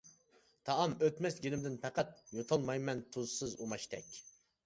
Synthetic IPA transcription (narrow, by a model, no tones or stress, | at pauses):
t̪ʰɑʔɑmøt̪mɛsɡʲilɪmd̪ɪnpʰɛqæt̪̚jot̪ʰɑlˠmɑjmɛnt̪ʰozsɨzumɑʃt̪ɛ̰kʲ